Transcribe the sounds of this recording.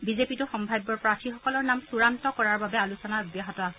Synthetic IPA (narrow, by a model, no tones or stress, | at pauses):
bizepitʊxɔmbʱajbːɔɹpɹatʰixɔkɔlɔɹnamsuɹantɔkɔɹaɹbabɛalusɔnaɔbjaɦɔtɔasɛ